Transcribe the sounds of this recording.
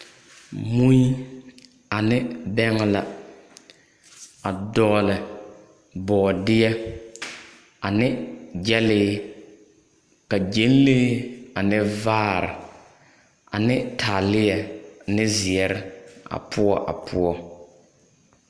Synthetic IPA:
mu˦i˦ | a˨nɪ˦bɛ˦ŋ˦la˦ | a˨dɔː˦lɪ˨ | bɔː˨dɪ˦ɛ˦ | a˨nɪ˦d͡ʒɛ˦lɪ˦ | ka˨d͡ʒe˨˦n˦leː˦a˨nɪ˦vaː˦ɾɪ̰˨ | a̰˨nɪ˦tʰaː˨lɪ˦jɛ˨nɪ˦zɪ˨ɛ˨ɾɪ˦a̰˨pʰʊ˦ɔ˦ʔa̰˨pʰʊ˦ɔ˦

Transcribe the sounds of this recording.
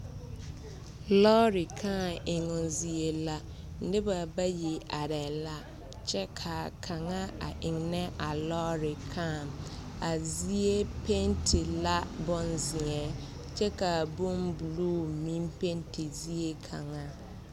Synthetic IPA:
lɔ˦ɾi˨kʰãː˦˨ɪ˨ŋʊ˨nzi˨e˨la˦ | n̩˦dɪ˦ba˨ba˦ji˨ʔa˨ɾɛ˨la˦ | t͡ʃɛ˦kʰa˨kʰa˨ŋa˦a̰˨ʔɪ˨ŋnɛ˦ʔa˨lɔ˦ɾɪ˨kʰa˦˨m | a˨zi˦e˦pe˦ntʰi˨la˦bɔ˦nzɪ˨ŋɛ˨ | t͡ʃɛ˦ka˨bu˦mbu˨luː˦mĩ˦mpe˦ntʰi˨zi˦e˦kʰa˨ŋa˦

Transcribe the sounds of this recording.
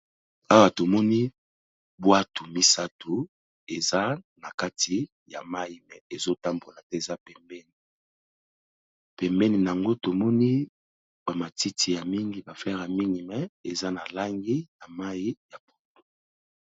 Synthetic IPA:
a˦wa˨to˨mɔ˦ni˦ | bwa˦tʰu˨mi˦sa˦tu˨ | e˨za˦na˨ka˦ti˨ | ja˨ma˦i˨mɛ˨e˨zo˦ta˦mbo˨la˨tɛ˦e˨za˦pɛ˨mbɛ˦ni˨ | pɛ˨mbɛ˦ni˨n˨a˨ŋɡo˦to˨mɔ˦ni˦ | ba˨ma˨ti˦tʰi˨ja˨mi˦ŋɡi˨ba˨flɛ˦ʁa˨mi˦ŋɡi˨mɛ˨e˨za˦na˨la˦ŋɡi˦na˨ma˦ji˦ja˨bo̥˨to̥˨

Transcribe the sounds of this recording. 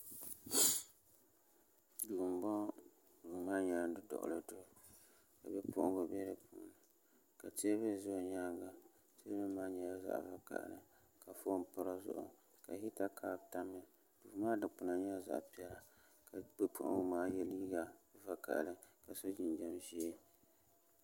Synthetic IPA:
du˨m˨bɔ˦ | du˨maː˦ɲɛ˨la˦dɨ˦dɔ̰˨ʔlɨ˨dʊ˦˨ | ka̰˨bɛ˦pʰʊ˦ʔʊ̃˦ba˨bɛ˦ɾɨ˨pʰṵ˦ʔnɨ˨ | ka˨te˦βɨ˦˨zʊ˦˨ɲaː˦ɡa˨ | te˦bɨ˦maː˦ɲɛ˨la˦za̰˨ʔva̰˨ka̰˨ʔlɨ˦ | ka˨fo˦n˨pɨ˦ɾa˦zʊ̰˨ʔʊ̰˨ | ka˨hi˦ta˦kʰaː˦˨ta˦mɨ˨ | d̥u˨maː˦dɨ˨k͡pʊ˨na˨ɲɛ˦za̰˨ʔpi˦ɛ˦la˨ | ka˨bɨ˦pʰʊ̰˦ʔʊ̰˦bʊ˨maː˦jɛ˦liː˦ɡa˨va˨ka̰˨ʔlɨ˦ka˨so˦d͡ʒi˨nd͡ʒɛ˦mʒi˦e˦

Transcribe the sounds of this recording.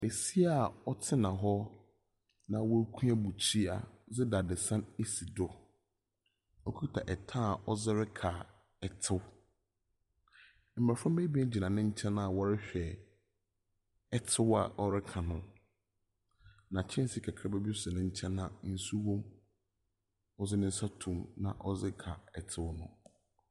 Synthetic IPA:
e˨si˦a˨ɔ˦tʰɪ˦nã˨ɦɔ˦ | nã˨wɔ˦kʰũ˦a˦bu˨t͡ɕʰi˦a̰˨d͡zɪ˦da˨dɪ˨sã˦ne˦si˨dɔ˦ | ɔ˦kʰu˦tʰa˨ʔɛ˨tʰã˦˨ʔɔ˦zɪ˦ɾɪ˦kʰa˨ | ɛ˨tʰɪ˦w | m̩˨ɾa˨fɾã˦m˦be˦bi˦ɛ˦d͡ʑi˨nã˨nʊ̃˦ɲ̩˦t͡ɕʰɛ̃˦nã˦˨wɔ˦ɾɪ˦ɕᶣɛ˨ | ɛ˨tʰɪ˦wa̰˨ʔɔ˦ɾɪ˦kʰã˨nʊ̃˦ | nã˨t͡ɕʰɛ̃˦n˦sɪ˦kʰa˨kʰɾa˦bɛ˦bi˦sɪ˨nʊ̃˦ɲ̩˦t͡ɕʰɛ̃˦nːã˨n̩˦su˦wɔ̃˦m | ɔ˦zɪ˦nɪ̃˦n̩˦sa˦tʰũ˨mnã̰˨ʔɔ˦zɪ˦kʰa˨ɛ˨tʰɪ˦wnʊ̃˦

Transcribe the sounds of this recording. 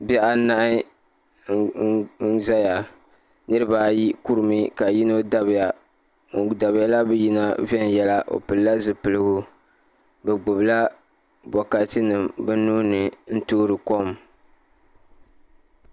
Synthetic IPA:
bɛ˦ʔa˦na˦ʔɪ˦ | za˦ja˨ | nɨ˦ɾɨ˦baː˦˨ji˦ku˦ɾɨ˨mɨ˦ka˨ji˦no˦da˨ba˨ | da˨bja˦la˦bɛ˦ji˦na˦vɛ˦n˨jɛ˦la˦ʔo̰˨pɨ˨lla˦zɨ˨pɨ˨lɨ˦ɡʊ˦ | bɛ˨ɡ͡bʊ˨bla˦ | bɔ˨ka˨˦tɨ˦nɨ˨mbɛ˦nuː˦nɨ˨n̩˦toː˦ɾɨ˨ko˦m

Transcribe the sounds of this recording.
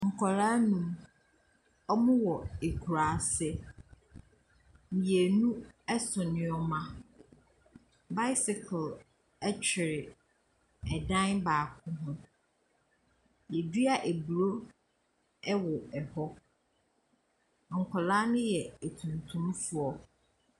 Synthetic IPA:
ŋ̩˨kʰɔ˨ɾaː˦nũ˦m | ɔ˦mʊ̃˦wɔ˨e˨kʰu˨ɾaː˨˦sɛ˦ | mĩ˨je˨nũ˦ɛ˦sʊ˨nɪ̃˨ɔ˦mã˦ | ba˦ɪ˦sɪ˨kʰʊ˨l | ɛ˦t͡ɕᶣʰɪ˨ɾɪ˨ | ɛ˨dã˦nbaː˨kʰʊ̃˦ɦʊ̃˦ | jɛ˨di˦a˨ʔe˨bu˨ɾo˦ | ɛ˦wɔ˨ɛ˨hɔ˦˨ | ŋ̩˨kʰɔ˨laː˦nʊ̃˦jɛ˨æ˨tʰũ˨ntʰũ˦mfʊ˨˦ɔ˦

